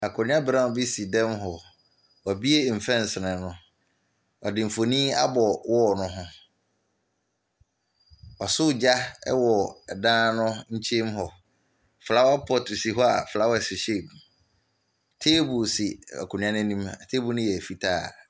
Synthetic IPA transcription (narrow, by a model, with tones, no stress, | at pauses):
a˨kʰʊ˨nɪ̃˦ã˦bɾã˦˨bi˦si˨dɛ̃˦mɦɔ˨ | ɔ˨bi˦e˦˨m̩˨fɛ̃˦n˨sɪ˨nɪ̃˨nʊ̃˦ | ɔ˨dɪ̃˨m̩˨fo˨nĩː˦a˦bɔ˨wʔɔ˦˨nʊ̃˦ɦʊ̃˦ | ɔ˨sʊ˦˨d͡ʑa˦ɛ̰˦wɔ˨dãː˦nʊ̃˦ɲ̩˦t͡ɕʰe˦mɦɔ˨ | fla˦wa˦pʰɔ˦tʰu˨si˨ɦɔ˦a˨fla˦wɔ˦ɛ˨sɪ˨ɕe˦˨b | tʰe˦bu˨si˨a̰˨kʰʊ˨ñ˦ã˦nʊ̃˦nĩ˦ma˨tʰeː˦bu˨nʊ̃˦jɛ˨æ˨fi˦tʰaː˦˨